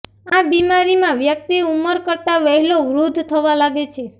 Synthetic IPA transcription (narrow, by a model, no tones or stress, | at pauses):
abimaɾimãʋjək̚t̪iuməɾkəɾt̪aʋəɦiloʋɾud̪ʱt̪ʰəʋalaɡet͡ʃʰe